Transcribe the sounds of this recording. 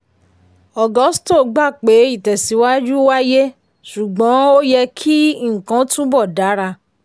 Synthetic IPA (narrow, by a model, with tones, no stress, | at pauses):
ɔ˨ɡɔ˨˦sto˦˨ɡ͡ba˦˨k͡pe˨˦i˦˨tɛ˨si˨˦wa˦d͡ʒu˦wa˦je˦ | ʃu˨ɡ͡bɔ̃˨˦o˦jɛ˧kʰi˦˨ŋ̩˨kã˧˦tũ˦bɔ˦˨da˨˦ɾa˧